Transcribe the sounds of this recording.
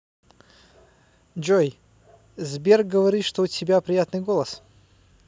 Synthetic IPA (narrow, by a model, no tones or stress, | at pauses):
d͡ʒoj | zbʲerk̚ɡəvɐɾʲit̪ʂt̪oʊtʲɪbʲapɾʲɪjat̪nɨjɡolˠəs